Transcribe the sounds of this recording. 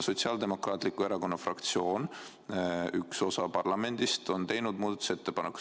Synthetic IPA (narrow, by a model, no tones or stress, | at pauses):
so̞t̪siɑːld̪e̞mo̞krɑːt̪likːˑue̞ɾɑko̞nːɑfrɑkt̪sio̞ːn | ykso̞sɑpɑrlɑme̞nd̪̥ist̪o̞nt̪e̞jnud̪̚muːd̪ɑt̪u̥se̞t̪ːe̞pɑnekːˑu̥